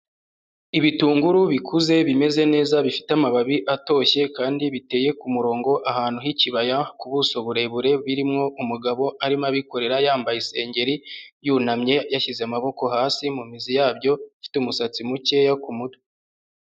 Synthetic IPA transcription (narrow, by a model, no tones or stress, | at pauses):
iβituːŋɡuɾuβikʰuze̞βime̞ze̞ne̞ːzaβifi̥tamaβaβiʔato̞ːçe̞kaːndiβite̞ːje̞kumuɾo̞ːŋɡo̞ʔaɦaːn̥uɦiciβajakuβuso̞βuɾe̞βuɾe̞βiɾimŋo̞ʔumuɡaβo̞ʔaɾimaβiko̞ɾe̞ɾajaːmbajise̞ːɲɟe̞ɾijuːnamɲe̞jaçizeamaβo̞ko̞haːsimumizijaːbjo̞fi̥tumusat͡simuce̞jakumudo̥